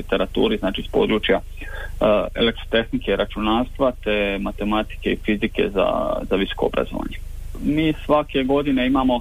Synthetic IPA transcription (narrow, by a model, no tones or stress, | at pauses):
it̪e̞ɾat̪ṵːɾiznaːt͡ʃispo̞̰ːd̪ɾuːt͡ʃja | ḛlekt̪ɾo̞t̪e̞xnikeiɾʔat͡ʃunaːst̪ʋat̪e̞mat̪e̞mat̪i̥ke̞ifizike̞̰za̰zaʋiso̥koobɾa̰zo̰ʋa̰ɲe | miːsʋake̞ɡo̞d̪ine̞imamo̞